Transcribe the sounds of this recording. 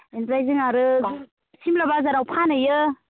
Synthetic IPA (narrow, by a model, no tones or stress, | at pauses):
enpɾajziŋaɾɯ | simlabazaɾawpʰanɯjɯ